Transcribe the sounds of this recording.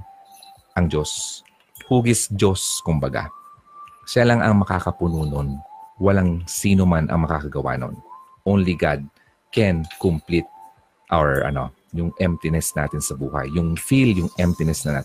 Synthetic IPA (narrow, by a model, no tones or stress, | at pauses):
ʔɐŋd͡ʒo̞s | huːɡɪsd͡ʒo̞skʊmbɐɡa̰ | ʃalɐŋʔɐŋmɐkaːkɐpʊnuːnonwɐlaŋsiːnomanʔɐ̰ŋmɐkakɐɡɐwa̰ːno̰n | ʔonliɡad̪̚ | kɛnkʊmplit̪̚ | ʔawɛɹʔɐ̰no̞̰ | jʊŋʔɛmt̪ɪnɛsna̰ːt̪ɪnsɐbuːhɐ̰jːʊŋfiljʊŋʔɛmt̪ɪnɛsnɐna̰ː